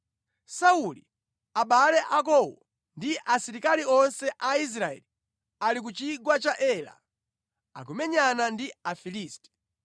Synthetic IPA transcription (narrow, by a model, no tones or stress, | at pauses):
sauli | aɓalɛʔakɔwɔ̰ | ndiʔasiɾikaliɔnsɛʔais̬ɾaɛ̰li | alik̬ut͡ʃiɡwat͡ʃaʔɛla̰ | a̰ɡɔmɛɲanandiafiliːstɛ̥